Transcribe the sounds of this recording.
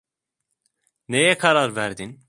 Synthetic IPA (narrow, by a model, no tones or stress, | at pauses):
nejɛkʰaɾaɾvæɾd̪in